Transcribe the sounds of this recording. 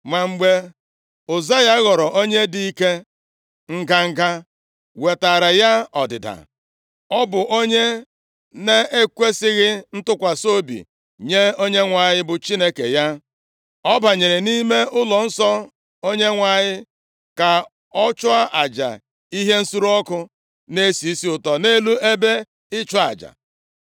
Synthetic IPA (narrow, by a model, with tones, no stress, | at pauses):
ma˨ŋ͡m̩˦ɡ͡be˦ | ʊ˨za˦ja˦ɣɔ˨ɾɔ˨ʔo˦ɲe˦di˦i˦ke˦ | ŋ̩˦ɡa˦ŋ̩˦ɡa˦ | we˨ta˨ɾa˨ja˦ɔ˨dɪ̰˨da̰˨ | ɔ˦bʊ˨ʔo˦ɲe˦ | ne˦e˦kʷe˦sɪ˦ɣɪ˦n̩˦tʊ˦kʷa˨so˦bḭ˨ | ɲe˦o˦ɲe˦ŋʷa˨ɲɪ˦bʊ˨t͡ʃi˦ne˦kḛ˨ja˦ | ɔ˦ba˨ɲe˨ɾe˨ni˦me˦ʊ˦lɔ˨n̩˦sɔ˦ | o˦ɲe˦ŋʷa˨ɲɪ˦ | ka˨ | ɔ˦t͡ʃʊ˦a˦ʔa˨d͡ʒa̰˨ | i˦ɦe˦n̩˦su˦ɾu˦ɔ˦kʊ˦ | ne˦si˨i˦si˦ʊ˨tɔ˨ne˦lu˦e˦be˦ | ɪ˦t͡ʃɔ˦a̰˨d͡ʒa̰˨